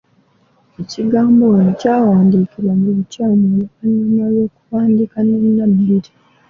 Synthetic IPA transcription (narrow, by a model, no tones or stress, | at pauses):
eciɡaːmbonocaːwaːndiːkilwamuliβucaːmolukaɲinalo̞ːkuβaːndikanenːabiːɾi